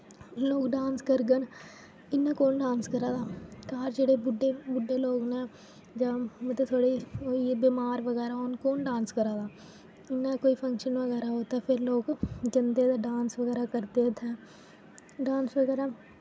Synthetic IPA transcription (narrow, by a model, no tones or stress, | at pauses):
loːkɖãːnskəɾɡən | ɪnːãːkoːnɖãːnskəɾaːd̪aːkaːɾd͡ʒeːɽeːbʊɖeːbʊɖːeːloːknɛ̃ː | d͡ʒãːmət̪ət̪ʰoːɽeːoːibiːmaːɾʋəɡɛːɾaːɦoːnkoːnɖaːnskəɾãːd̪aː | ɪnːãːkoːiːpʰəŋkʃənʋəɣɛːɾaːɦoːt̪aːpʰɪɾloːkd͡ʒənd̪eːd̪aːɖaːnsʋəɡɛːɾaːkəɾd̪eːət̪ʰɛː | ɖãːnsʋəɡɛːɾaː